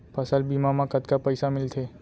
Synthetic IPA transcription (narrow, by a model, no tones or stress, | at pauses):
pʰəsəlbiːmamãkət̪kapəɪsamɪlt̪ʰe